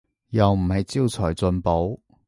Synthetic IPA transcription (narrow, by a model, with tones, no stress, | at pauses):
jɐ˨wm̩˨˩hɐ˨˧jt͡si˥˧wt͡sʰɔː˨˩jt͡sɵ˨˧npo˨˥w